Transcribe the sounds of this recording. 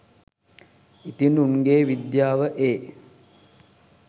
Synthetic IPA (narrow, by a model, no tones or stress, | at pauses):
it̪inunɡeːʋid̪jaːʋəʔeː